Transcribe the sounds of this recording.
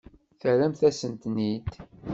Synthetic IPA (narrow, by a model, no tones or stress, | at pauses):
θəɾæmθæsənt̪nid̪